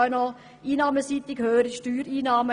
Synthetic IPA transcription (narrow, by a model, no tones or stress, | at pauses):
nɔ | iːnɑːməsiːt̪ɪkhøːəɾiʃtyːɾiːnɑːmə